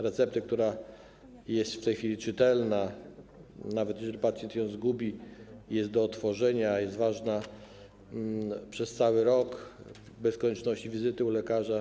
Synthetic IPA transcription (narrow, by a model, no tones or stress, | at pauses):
ɾɛt̪sɛp̚t̪ɘk̚t̪uɾa | jɛst̪ft̪ɛjxfʲilʲit͡ʂɘt̪ɛlna | navɛt̪jɛʐɛlʲipat̪sʲjɛnt̪jɔ̃w̃zɡubʲijɛst̪̚d̪ɔːt̪fɔʐɛɲajɛst̪vaʐna | pʂɛst̪sawɘɾɔk | bɛskɔɲɛt͡ʂnɔɕt͡ɕivʲizɘt̪ɘulɛkaʐa